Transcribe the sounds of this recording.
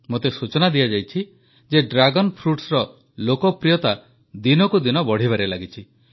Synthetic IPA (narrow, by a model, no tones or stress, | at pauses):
mot̪esut͡ʃɔnad̪ijad͡ʒajt͡ʃʰi | d͡ʒeɖɾaɡɔnpʰɾuʈsɾɔ | lokɔpɾijɔt̪a | d̪inɔkud̪inɔbɔɽ̤iβaɾelaɡit͡ʃʰi